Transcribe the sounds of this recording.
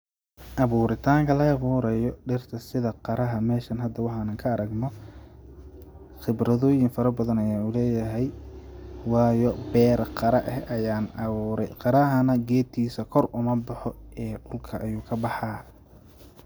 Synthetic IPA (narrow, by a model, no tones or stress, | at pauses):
ʔɐβuːɾɪt̪ʰaːŋkʰɐlɐːβuːɾɛjɔɖɪrt̪ʰɐsɪðɐqɑɾɐɦɐmɛːʃɐnɦɐd̪ɐwɑħɑːnɐŋkʰɐːɾɐɡnɔ | χɪbɾɐðɔːjɪŋfɐɾɐbɐðɐnɐjaːnʊlɛːjɐɦɛj | wɑːjɔbɛːɾqɑɾɐʔɛhɐjaːnʔɐβuːɾɛjqɑɾɐɦɐnɐɡɛːt̪ʰiːsɐkʰɔrʔʊmɐbɑħɔɛːɖʊlkʰɐʔɐjuːkʰɐbɑħɑː